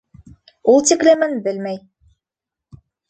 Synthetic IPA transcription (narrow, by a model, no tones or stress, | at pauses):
ulˠt̪iklɘmɘnbɘlmæj